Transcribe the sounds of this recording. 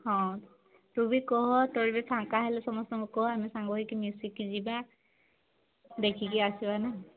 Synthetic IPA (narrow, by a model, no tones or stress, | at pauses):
hɔ̃ | tubikɔɦɔtɔɹibɛpʰaŋkaɦɛlɛsɔmɔstɔmɔkɔɦamisaŋɡɔɦikimjusikːiziba | dekʰikiasibanɛ